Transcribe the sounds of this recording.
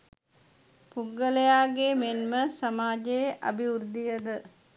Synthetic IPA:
puɡəlejaːɡeːmenməsamaːd͡ʒejʔa̰biuɾd̪ijəd̪ə

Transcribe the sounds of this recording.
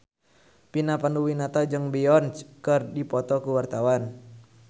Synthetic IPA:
pinapanduwinat̪ad͡ʒɨŋbiɔnt͡ʃkərdipɔt̪ɔkuwart̪awan

